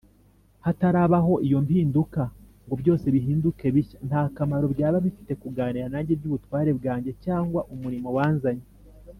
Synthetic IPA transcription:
hataɾaβaɦo̞ʔijo̞mpiːnduka | ŋɡo̞bɟo̞ːse̞βiɦiːnduke̞βiçḁntaːkamaɾo̞bɟaːβaβifi̥te̞kuɡaːniɾanaɾɟebɟuβutwaːɾe̞bɡaːɲɟe̞caːŋɡwaʔumuɾimo̞waːnzaɲe

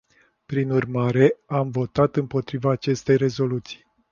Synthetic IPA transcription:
pɾinurmaɾe̞amvo̞t̪at̪ɨmpo̞t̪ɾivaːt͡ʃe̞st̪e̞jre̞zo̞lut̪si̥j

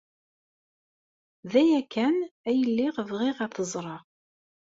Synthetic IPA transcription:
ðæjækːænæjəlːɪʁvʁɪʁɑθəzˤɾˤɑ

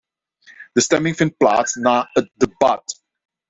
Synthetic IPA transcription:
ðəstɛmɪ̃ŋfɪ̃nt̚pla̰tsnaəd̪əbat

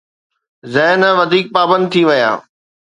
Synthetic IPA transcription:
zɛːɦnəʋɐd̪ʱiːk̚paːbə̃nd̪̚t̪ʰiʋɐja̰ː

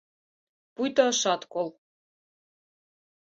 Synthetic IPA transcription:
pujt̪ɤɤʃɑt̪kol

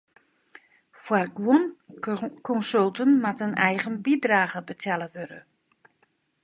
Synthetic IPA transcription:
fwarɡwun | kʰɔnsølˠtənmatənɛjɣənbidraːɣəbətʰɛləʋøɾə̰

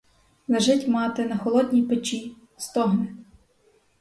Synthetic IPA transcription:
leʒɪtʲmɑt̪ɪnɐxɔlˠɔd̪ʲnʲijpɪt͡ʃi | st̪ɔɦnɪ

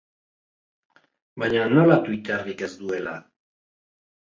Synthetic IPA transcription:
bajɲano̞lat̪uit̪earikezd̪ue̞la̰

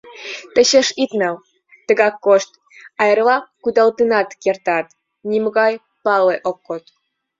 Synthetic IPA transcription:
t̪əɕəʃit̪nɑl | t̪ə̆ɣɑkːoʃt̪ | ɑjəɾlɑkud̪ɑlt̪ənɑt̪kert̪ɑt̪ | nʲiməɣɑj | pɑleʔokːot̪

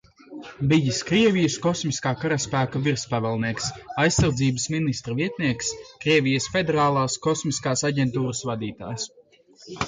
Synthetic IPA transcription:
biɟiskɾiɛvijəskɔsmiskaːkaɾaspæːkaviɾspævɛlˠniɛksajsːaɾd̪ziːbɨsminist̪ɾɐviɛt̪niɛkskɾiɛvijəsfed̪eɾaːlˠaːskɔsmiskaːsaɟʲɛnt̪uːɾəsvad̪iːt̪a̰ːjs

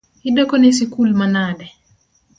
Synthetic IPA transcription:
idokonisikulmanadɛ

